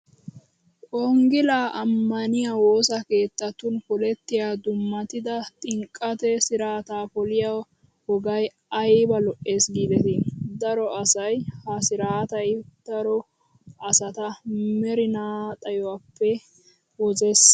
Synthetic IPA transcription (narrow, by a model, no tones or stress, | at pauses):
ʔɔŋɡɪlaːʔɐmːɐnɪjawo̞ːsɐke̞ːt̪ːɐt̪ːʊnfɔlɛt̪ːɪjaːd̪ʊmːɐt̪ɪd̪ɐt̪ʼɪŋkʼːɐt̪ɛsɪɾaːt̪aːfɔlɪjaw | hɔɡɐj | ɐjbɐlɔʔːe̞ːsɡiːd̪ɛt̪ind̪ɐɾɔɐsɐjhɐsɪɾaːt̪ɐjd̪̥ɐɾɔ | ɐsɐt̪ɐmɛɾɪnaːt̪ʼɐjɔwapːɛ | wɔzeːs